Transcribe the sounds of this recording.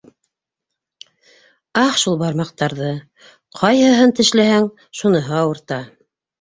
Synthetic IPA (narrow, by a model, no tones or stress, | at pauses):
ɑhʃulˠbɑɾmɑq̚t̪ɑɾðɤ | qʰɑjɦɤ̆ɦɤnt̪ɘ̆ʃlæhæŋ | ʃunɤ̆ɦɤɑwɤ̆ɾt̪ɑ